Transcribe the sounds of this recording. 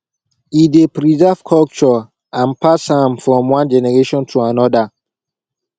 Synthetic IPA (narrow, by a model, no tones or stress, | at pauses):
idepɹizɛv̥kʰɔlt͡ʃɔ | ʔãnpashãmfɹɔ̃mwãnd͡ʒɛnɛɹeʃɔ̃ntʰuanɔda